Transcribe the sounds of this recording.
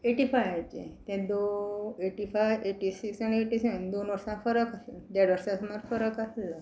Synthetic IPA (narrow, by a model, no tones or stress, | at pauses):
eʈifajãt͡ɕḛ̃t̪ɛ̃d̪oeʈifajʋeʈisiksanieʈiseənd̪onʋəɾsãfəɾəkaseld̪aɽʋəɾsãsmaɾfəɾəkaslə